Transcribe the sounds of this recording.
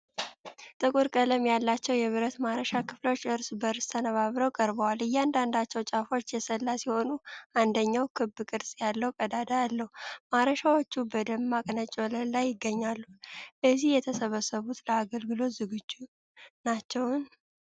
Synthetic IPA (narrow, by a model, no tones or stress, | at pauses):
t̪ʼɨkʼuɾkʼələmjalːat͡ʃːɛwjɛβɨɾət̪maɾəʃakʰɨflo̞t͡ʃːɨɾsbəɾst̪ʰənəβaβɾəwkʼəɾbəwalɨjːɛand̪and̪at͡ʃːɛwt͡ʃʼafo̞t͡ʃːjɛsəlːasjiho̞nuʔand̪əɲːawkʰɨbːɨkʼɨɾsʼjalːəwkʼəd̪ad̪ajalːəhumaɾəʃawot͡ʃːubəd̪əmːakʼnət͡ʃʼolənlajːɪɡːəɲːalːuəzihjɛt̪ʰəsəβəsːəβut̪ləaɡəlɡɨlo̞t̪zɨɡɨd͡ʒːu | nat͡ʃːɛwn